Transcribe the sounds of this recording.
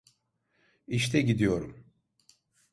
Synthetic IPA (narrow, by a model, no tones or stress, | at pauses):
iʃt̪ʰɛɟid̪ijo̞ɾum